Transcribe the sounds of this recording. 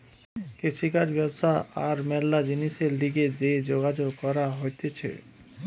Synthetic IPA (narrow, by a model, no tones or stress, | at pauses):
kɾeʃikaɾbɛbʃaaɾmɛlːad͡ʑiniʃeɾliɡed͡ʑed͡ʑoɡad͡ʑoɡkɔɾaɦojt̪et͡ɕʰḛ